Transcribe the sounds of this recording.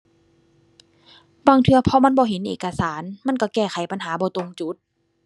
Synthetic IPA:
baː˧˨ŋt̪ʰɯ˧ɐ˧pʰɔ˧ma˧˥˨nbɔː˧˦ɦe˨˦nʔḛː˧˩ka˧saː˩˦nma˧˥˨nka˧˩kɛː˧˩xʰa˨˩˦jpa˧˨nɦaː˩˦bɔː˧˦t̪o˧ŋt͡ɕu˧˦t̪̚

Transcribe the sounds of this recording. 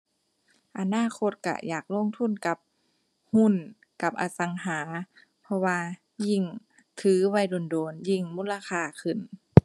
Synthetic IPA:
ʔa˧naː˧˥˨kʰo˧˥t̪̚ka̰˧˩ja̰ː˨˩k̚lo˧˥˨ŋt̪ʰu˧˥˨nka˧˦p̚ | hu˧˥˨n | ka˧˩p̚ʔaː˧˩sa˨˦ŋɦaː˨˦ | pʰɔ˧waː˧ | ji˧˩ŋ | t̪ʰɯː˨˦wa˧˩jdoː˧˩˨ndoː˨˩nji˧˩ŋmu˧˥˨la˧xʰaː˧˩kʰɯ˨˧˩n

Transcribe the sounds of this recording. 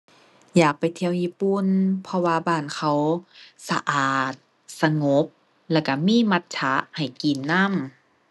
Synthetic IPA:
jaː˨˩k̚pa˨jt̪ʰi˧ə˨wjiː˧˥˨pu˧˨npʰɔ˧waː˧baː˧˩nkʰa˧˩wsa˧ʔaː˨˩t̪̚ | sa˧ŋo˨˦˥p̚ | lɛː˧˩wka˧˩miː˧˥˨ma˧˥t̪̚t͡ɕʰa˧˦ha˨˩jki˨˩nːa˧˥˨m

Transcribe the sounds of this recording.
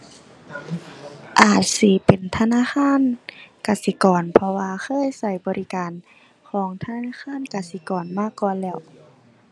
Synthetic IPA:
ʔaː˨˩t̪̚si˧˦pe˨˩nt̪ʰa˧˨naː˧˥˨xʰaː˧˥˨nkaː˨˩si˧˦kɔː˨˩npʰɔ˧waː˧xʰɤː˧˥˨jsa˧˩jbɔː˨ɾi˧˨kaː˨n | kʰɔː˨˩˦ŋt̪ʰa˧naː˧˥˨xʰaː˧˥˨nkaː˨si˧˦kɔː˨˩nmaː˧˥˨kːɔː˧˨nlɛː˧˩w

